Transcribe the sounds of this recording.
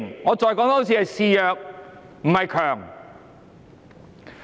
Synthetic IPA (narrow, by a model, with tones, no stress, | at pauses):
ŋŋɔː˨˧t͡ʃɔː˨jkɔː˨˥ŋt̪ɐ˨˥s̬ʰiː˧hɐ˨jsiː˧jœː˨k̚ | m̩˨˩hɐ˨jkʰœː˨˩ŋ